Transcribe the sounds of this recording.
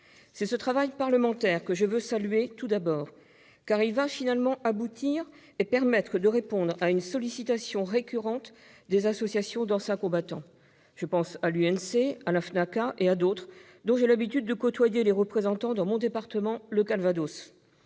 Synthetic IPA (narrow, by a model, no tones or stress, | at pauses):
sɛsət̪χavajpaʁləmɑ̃t̪ɛʁkəʒəvøsalɥet̪ud̪abɔːʁ | kaʁilvafinalmɑ̃ʔabut̪ʰiʁ | epɛʁmɛt̪χəd̪əʁepɔ̃d̪ʁaynsɔlisit̪asjɔ̃ʁekʲyʁɑ̃t̪ | d̪ezasɔsjasjɔ̃d̪ɑ̃sɛ̃kɔ̃bat̪ɑ̃ | ʒ̥əpɑ̃salyɛnsealafnakaʔead̪ot̪χ | d̪ɔ̃ʒelabit̪yd̪̚ːəkɔt̪wajeleʁəpχezɑ̃t̪ɑ̃d̪ɑ̃mɔ̃d̪epaʁt̪əmɑ̃ləkalvad̪os